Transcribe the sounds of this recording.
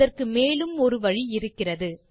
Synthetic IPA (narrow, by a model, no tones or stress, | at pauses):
ɐrkɯmeːlɯmɔɾɯʋɐɻiɪɾɯkːɪrɐðɯ